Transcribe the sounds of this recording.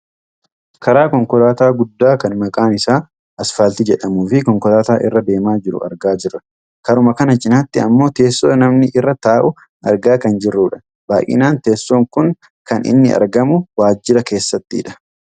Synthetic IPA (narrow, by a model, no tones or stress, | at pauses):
kɐɾaːkɔŋkɔlaːt̪aːɡʊd̪ːaːkɐnmɐkʼaːnɪsaː | ʔɐsfɐlt̪ɪd͡ʒɛᶑɐmuːfɪkɔŋkɔlaːt̪aːʔɪrːɐd̪e̞ːmaːd͡ʒɪɾʊ̰ɐ̰ɾɡaːd͡ʒɪrːɐ̥ | kɐɾʊmɐkɐnɐt͡ʃʼɪnat̪ːɪɐmːo̞ːt̪e̞ːsːoːnɐmnɪʔɪrːɐt̪aːʔʊ | ɐɾɡaːkɐnd͡ʒɪrːuːᶑɐ̥ | b̥aːʔʼɪ̰naːnt̪e̞ːsːoːŋkʊn | kɐnʔɪ̰nːɪɐ̰ɾɡɐmʊwaːd͡ʒːɪɾɐke̞ːsːɐt̪ːɪɪᶑɐ̥